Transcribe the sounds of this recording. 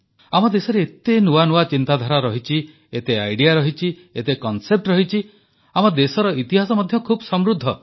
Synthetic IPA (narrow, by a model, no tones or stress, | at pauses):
amɔd̪esɔɾeet̪enuwanuwat͡ʃint̪ad̪ʱaɾaɾɔɦit͡ʃʰi | et̪eajɖiaɾɔɦit͡ʃʰi | et̪ekɔnsep̚ʈɾɔɦit͡ʃʰi | amɔd̪esɔɾɔit̪iɦasɔmɔd̪ʱjɔkʰubɔsɔmɾud̪ʱːɔ